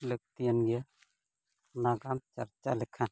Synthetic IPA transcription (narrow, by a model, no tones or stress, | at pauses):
lək̚t̪ijanɡa | naɡamt͡ʃɐ̰ɾt͡ʃalɛkʰan